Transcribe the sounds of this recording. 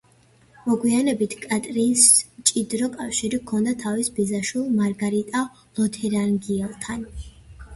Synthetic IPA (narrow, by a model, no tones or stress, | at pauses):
mɔɡwianɛbit̪ʰkʼat̪ʼɾinst͡ʃʼid̪ɾɔkʼafʃiɾikʰɔnd̪at̪ʰavisbizaʃwilˠmaɾɡaɾit̪ʼa | lˠɔt̪ʰɛɾanɡiɛlˠt̪ʰan